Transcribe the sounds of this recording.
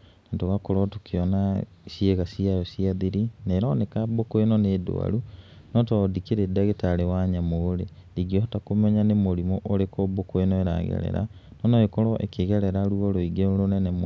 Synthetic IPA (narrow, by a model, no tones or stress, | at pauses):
natoɣakoɾɔtukʰeɔna | sjeɣasiajɔsiaðiɾineɾɔnekabokoenɔneːdo̰a̰ɾu | nɔtɔdikeɾedaɣetaɾewaɲamoɾe | diɡiɔtakomɛɲanemoɾimɔʔoɾekɔbokoenɔeɾa̰ɣɛ̰ɾɛ̰ɾa̰ | nɔnɔekɔɾɔʔḛkeɣɛɾɛɾaɾuɔɾoiɡeɾonɛnɛm